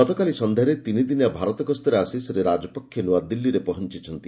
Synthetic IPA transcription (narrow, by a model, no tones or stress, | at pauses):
ɔt̪ɔkalisɔnd̪ʱeɾet̪inid̪injabʱaɾɔt̪ɔɡɔst̪ɔɾeasisɔɾeɾad͡ʒɔpɔkʰjɔnuad̪ilːiɾepɔɦɔnt͡ʃit͡ʃʰɔnt̪i